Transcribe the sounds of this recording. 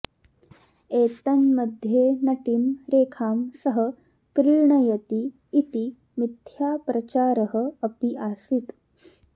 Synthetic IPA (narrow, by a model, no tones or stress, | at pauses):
eːt̪ɐnməd̪ʱjenɐʈimɾeːkʰaːmsɐɦə | pɾiːɻɳɐjɐt̪iː | t̪i | mit̪jaːpɾɐt͡ɕaːɾəɦə̆ɐpiʔasit̪